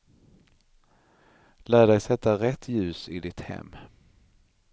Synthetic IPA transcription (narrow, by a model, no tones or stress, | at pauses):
læːɖɛjsɛt̪ːaɾɛt̪ːjʉ̟ːsɪd̪ɪt̪hɛ̰mː